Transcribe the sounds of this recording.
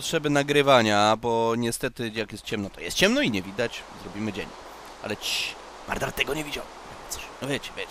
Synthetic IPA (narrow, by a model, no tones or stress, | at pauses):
ɔtʂɛbɘnaɡɾɘvaɲabɔɲɛst̪ɛt̪ɘjakjɛst̪̚t͡ɕɛmnɔt̪ɔ̰jɛ̰st̪̚t͡ɕɛmnɔiɲɛvʲid̪at͡ɕzɾɔbʲimɘd͡ʑḛɲ | ʔa̰lɛt͡ɕi | maɾd̪aɾt̪ːɛɡɔɲɛvʲid͡ʑaw | su̥vʲjet͡ɕɛ̥vʲje